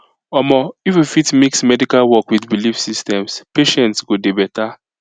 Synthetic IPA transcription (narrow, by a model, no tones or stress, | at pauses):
ɔmɔififitmiksmɛdikalwɔkwiθbilifsistɛ̃mspeʃɛ̃ntsɡodebɛta